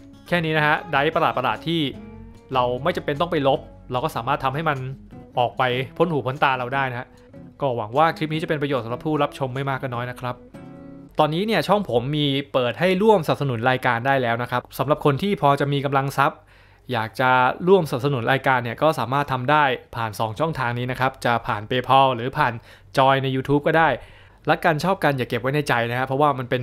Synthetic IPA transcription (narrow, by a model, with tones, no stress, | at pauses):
kʰɛː˥˩niː˦˥na˦˥kʰa˦˥ʔda˦˥jpɾa˧laː˨˩t̪̚pɾa˧laː˨˩t̪ʰːiː˥˩ | ɾa˧wma˥˩jt͡ɕa˧mpe˧nt̪ɔ˥˩pa˧jlo˦˥p̚ | ɾa˧wkɔː˥˩saː˩˦maː˥˩t̪ʰːa˧mha˥˩jma˧nʔɔː˨˩k̚pa˧jpʰo˦˥nhuː˨˩˦pʰo˦˥nt̪aː˧ɾa˧wdaː˥˩jna˦˥a˦˥ʔ | kɔː˥˩wa˩˦ŋwaː˥˩kʰɾi˦˥p̚ni˦˥t͡ɕa˨˩pe˧npɾa˧jo˨˩t̪̚smla˨˩pʰuː˥˩ɾa˦˥p̚t͡ɕʰo˧mːa˥˩jmaː˥˩k̚ʰːa˥˩nɔː˦˥jna˦˥kʰɾa˦˥p̚t̪ɔː˧nːiː˦˥ni˥˩ət͡ɕʰɔ˥˩ŋpʰo˩˦mːiː˧pɤː˨˩t̪̚ha˥˩jɾu˥˩əmsa˨˩p̚s̬a˧nu˩˦nɾaː˧jkaː˧ndaː˥˩jlɛː˦˥wna˦˥kʰɾa˦˥p̚sa˩˦mla˨˩p̚kʰo˧nt̪ʰiː˥˩pʰɔː˧t͡ɕa˨˩miː˧ka˧mla˧ŋsa˦˥p̚ | jaː˨˩k̚t͡ɕa˨˩ɾu˥˩əmsa˨˩˨p̚sa˧nu˩˦nɾaː˧jkaː˧nːi˥˩ɐkɔː˥˩saː˩˦maː˥˩t̪ʰːa˧mdaː˥˩jpʰaː˨˩nsɔː˩˦ŋt͡ɕʰɔ˥˩ŋt̪ʰaː˧ŋniː˦˥na˦˥kʰɾa˦˥p̚t͡ɕa˨˩pʰaː˨˩npeː˧pʰɔ˧ɾɯː˩˦pʰaː˨˩n | t͡ɕɔː˧jna˧jːuː˧t̪ʰuː˦˥p̚kɔː˥˩daː˥˩j | lɛ˦˥kaː˧nt͡ɕʰɔː˥˩p̚ka˧njaː˨˩kːe˨˩wa˦˥jna˧jt͡ɕa˧jna˦˥kʰa˦˥pʰɾɔ˥waː˥˩ma˧npe˧n